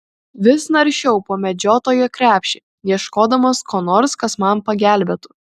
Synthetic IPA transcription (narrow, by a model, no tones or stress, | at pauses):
ʋʲɪsnɐɾʲʃʲɛʊpoːmʲɛd͡ʒʲoːt̪oːjoːkɾʲæːpʲʃʲɪ | jiɛʃkoːd̪ɐmoːskoːnoːɾskɐsmɐmpɐɡʲæˑlʲbʲɛt̪ʊ̥